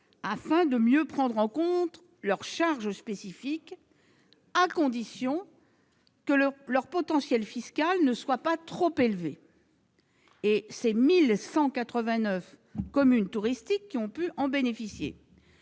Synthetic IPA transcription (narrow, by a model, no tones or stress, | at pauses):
afɛ̃d̪əmjøpχɑ̃d̪ʁɑ̃kɔ̃t̪χ | lœʁʃaʁʒəspesifik | akɔ̃d̪isjɔ̃ | kəlœʁpɔt̪ɑ̃sjɛlfiskalnəswapat̪χopelve | esemilsɑ̃kat̪χəvɛ̃nœf | kɔmynt̪uʁist̪ikːiɔ̃pyʔɑ̃benefisjḛ